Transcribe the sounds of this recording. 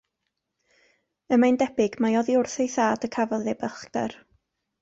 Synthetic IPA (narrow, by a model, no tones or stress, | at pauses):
əmajndɛbɪɡmajɔðiʊrθejθaːdəkʰavɔðɛbəχkdɛ̰r